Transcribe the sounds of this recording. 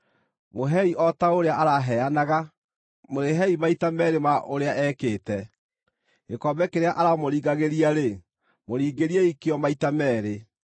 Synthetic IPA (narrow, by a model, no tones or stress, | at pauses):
moɦɛiʔɔtaoɾeaʔaɾaɦɛanaɣa | moɾeɦɛimaitamɛɾemaʔoɾeaʔɛːkeːtɛ | ɣekɔbɛkeɾeaʔaɾamoɾiːɣaɣeɾiaɾe | moɾiːɡeɾiaikeɔmaitamɛːɾe